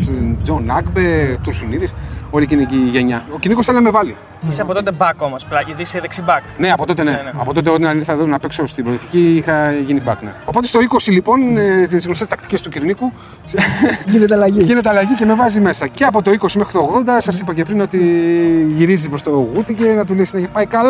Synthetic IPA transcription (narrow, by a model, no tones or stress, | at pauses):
d͡zonɐɡbet̪uɾsuniðiso̞liciniciʝeɲɐociɾnikosθelinɐme̞vɐli | iseɐpot̪ot̪ebɐkomosplɐiðiseðeksibɐkne̞ɐpo̞t̪o̞t̪eneɐ̰po̞t̪o̞t̪̬eot̪inɐɾniθɐðunɐpeksost̪ibɾoliθiciixɐʝinibɐkneo̞pot̪est̪o̞iko̞silipo̞nt̪isɣnost̪est̪ɐkt̪i̥ce̞st̪uciɾniku | ʝinet̪eɐlɐʝiʝinet̪eɐlɐʝice̞me̞vɐzime̞sɐce̞ɐpo̞t̪o̞iko̞simexɾit̪oːɣðo̞nd̪ɐsɐsipɐce̞pɾino̞t̪iʝiɾizipɾo̞st̪oɣut̪ice̞nɐt̪ulisinɐepɐikɐl